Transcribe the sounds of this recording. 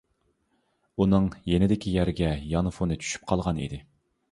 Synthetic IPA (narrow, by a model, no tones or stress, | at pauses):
unɨŋjenɪd̪ɪkʲʰijæɾɡʲɛjɑnɨfonɨt͡ʃʰy̥ʃy̥p̚qʰɑlˠʁɑnḭd̪ɪ